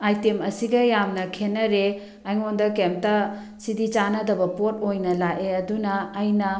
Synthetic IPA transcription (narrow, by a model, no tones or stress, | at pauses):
ajtemɐsiɡɐjamnɐkʰenɐɾe | ajŋondɐkem̚tɐ | sidit͡ʃanɐdɐbɐpot̚ojnɐlaʔeɐdunɐːjnɐ